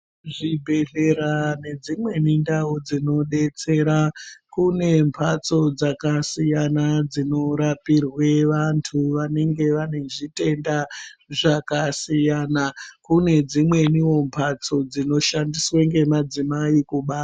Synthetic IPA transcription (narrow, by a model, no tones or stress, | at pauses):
ʐibʱe̞ɮe̞ɾane̞d͡zimwe̞nindaud͡zino̞ɗe̞t͡se̞ɾakune̞mpʰat͡so̞d͡zakasijanad͡zino̞ɾapirwe̞ʋantʰuʋane̞ŋɡe̞ʋane̞ʐite̞ndaʐakasijanakune̞d͡zimwe̞niwo̞mpʰat͡so̞d͡zino̞ʃandisweŋɡe̞mad͡zimaikuɓaːta